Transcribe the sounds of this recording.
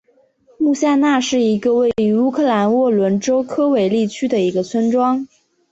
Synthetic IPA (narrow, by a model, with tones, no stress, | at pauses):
mu˥˧ɕja˥˧na˥˧ʂɻ̩˥˩i˧˥ɡə˧we˥˩ɪɪy˧˥u˥kʰɤ˥˩la˧˥nwɔ˥˩lwə˧˥nʈ͡ʂo˥ʊkʰɤ˥we˧˩ɪli˥˩t͡ɕʰy˥d̪ə˨i˧˥ɡə˧t͡sʰwə˥nʈ͡ʂwɑ˥ŋ